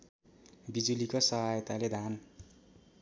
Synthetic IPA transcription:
bid͡zulikosʌɦajt̪aled̪ʱan

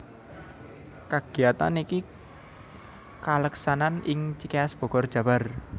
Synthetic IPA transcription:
kaɡ̥i̤at̪a̰niki | kaləksananɪŋt͡ʃikaasb̥ɔ̤ɡ̥ɔrd̥ʒ̥ä̤bar

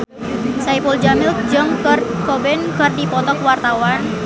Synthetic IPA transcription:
saipuld͡ʒamɪl̚d͡ʒəŋkrkɔbɛnkərdipɔt̪ɔkwart̪awan

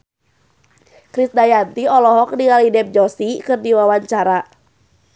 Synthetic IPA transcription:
kɾisdajant̪iɔlɔɦɔk̚diŋalidɛp̚d͡ʒɔsikɨrdiwawaɲt͡ʃaɾa

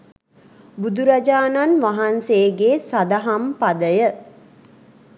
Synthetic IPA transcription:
bud̪uɾad͡ʒaːnanʋaɦanseːɡeːsad̪aɦampad̪əjə

